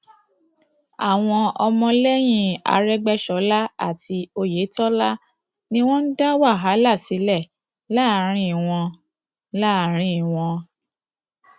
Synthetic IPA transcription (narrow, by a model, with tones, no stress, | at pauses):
a˨w̃ɔ̃˧ɔ˧mɔ̃˧lɛ˦j̃ĩ˦˨a̰˨˦ɾɛ˦ɡ͡bɛ˦ʃɔ˨˦la˦a˦˨tʰi˧o˧je˨˦tɔ˦la˦ | nĩ˦w̃ɔ̃˦n̩˦da˦wa˦˨ɦa˨˦la˦˨si˨˦lɛ˦˨ | la˦˨˦ɾ̃ĩ˦˨w̃ɔ̃˧ | la˦˨ɾ̃ĩ˦˨w̃ɔ̃˧